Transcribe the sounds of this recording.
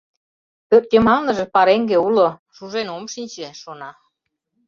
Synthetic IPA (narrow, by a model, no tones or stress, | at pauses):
k̪ør̚k̪ʲemɑnnɤ̆ʒĕpɑɾeŋɡeulo | ʃuʒenomʃinʲt͡ɕeʃonɑ